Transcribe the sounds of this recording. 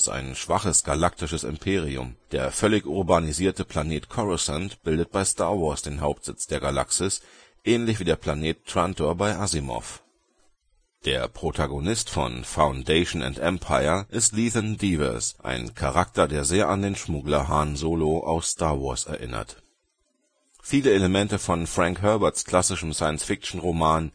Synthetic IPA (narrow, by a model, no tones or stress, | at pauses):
sta̰ɪnʃv̥aχəsɡ̥alak̚tɪʃəsɪ̰mpʰeːʁ̞iʊ̰md̥eːɐfœlɪçʔʊʁbaniziːɐtəpʰl̥aneːtkʰɔʁɔsantb̥ɪldət̚b̥aɪstaɐvɔɐsd̥eːnɦaʊp̚tz̥ɪt͡sd̥eːɐɡala̰ksɪs | ʔɛːnlɪçv̥iːdeːɐpʰl̥aneːttʁ̥antoɐbaɪʔazimɔ̰f | d̥eːɐpʁ̥otʰaɡonɪstfɔ̰nfaʊndeɪʃn̩ʊ̰ntʔɛmpʰaɪɐʔɪstliːθəndivɛ̰sʔa̰ɪnkʰaʁak̚tɐdeːɐzeːɐʔandeːnʃmʊɡlɐɦaːnzoːloʔa̰ʊsstʰaːɐvɔɐsɛ̰ɐʔɪ̰nɐ̰t | fiːləeləmɛntəfɔnfʁ̥aŋkɦœɐbɐtskl̥asɪʃəm̩saɪənsfɪk̚t͡ʃn̩ʁomaːn